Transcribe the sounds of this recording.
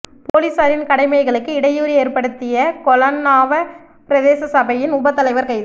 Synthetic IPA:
poːlɪsaːɾɪnkɐɽɐɪmɐɪɣɐɭɯkːɯɪɽɐjuːɾieːrpɐɽɯt̪ːɪjɐkɔlɐnːaːʋɐ | pɪɾɐðeːsɐsɐbɐjɪnʊbɐt̪ːɐlɐɪʋɐɾkɐɪðɯ

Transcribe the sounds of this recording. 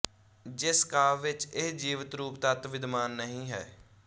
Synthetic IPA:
d͡ʒɪskaːʋɪt͡ʃɪd͡ʒiːʋət̪ɾuːpt̪at̪ʋɪd̪maːnːəɦĩːɦɛ̰ː

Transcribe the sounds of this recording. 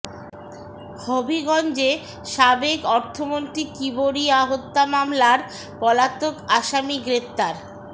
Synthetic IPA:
hobiɡɔnd͡ʑe | ʃabekɔɾt̪ʰomont̪ɾikiboɾiaɦot̪ːamamlaɾ | pɔlat̪okaʃamiɡɾeft̪aɾ

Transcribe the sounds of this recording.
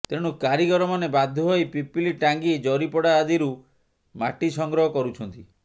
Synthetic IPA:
t̪eɽ̃ukaɾiɡɔɾɔmanebad̪ʱːɔɦɔjpipiliʈaŋɡied͡ʒɔɾipɔɽaːd̪iɾu | maʈisɔŋɡɾɔɦɔkɔɾut͡ʃʰɔnt̪i

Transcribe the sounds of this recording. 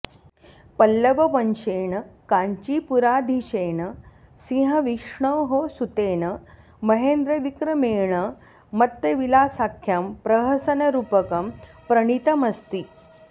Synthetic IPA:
pɐlːɐʋɐʋɐɲʃeːɳɐkaɲt͡ʃiːpuɾaːd̪ʱiɕeːɳə | sĩɦɐʋiʂɳɐɦoːsut̪eːɳɐ | mɐɦeːnd̪ɾɐʋikɾɐmeːɳɐ | mɐt̪ːɐʋilaːsakʰjɐmpɾɐɦɐsɐnɐɾupɐkɐm | pɾɐɳit̪ɐmɐst̪i

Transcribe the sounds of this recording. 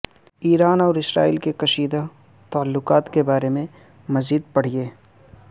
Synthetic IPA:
iːɾaːnɔːɾɪsɾa̰ːḭːlkekɐʃiːd̪a | t̪aːlːʊqaːt̪kebaːɾemẽ | mɐziːd̪̚pɐɽ̤ieː

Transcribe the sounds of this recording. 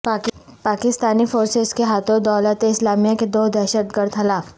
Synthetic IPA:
paːpaːkɪst̪aːnifoːɾsɪzkeɦaːt̪õd̪ɔːlət̪eɪslaːmijaked̪oːd̪ɛːʃət̪ɡəɾd̪xɐlaːf

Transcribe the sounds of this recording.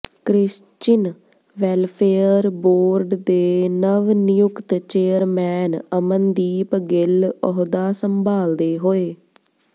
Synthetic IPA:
kɾɪst͡ʃɪn | ʋɛːlpʰeːəɾboːɾɖd̪eːnəʋnɪjʊkt̪t͡ʃeːəɾmɛːnəmənd̪iːpɡɪlɔːɦd̪aːsəmbaːld̪eːɦoːeː

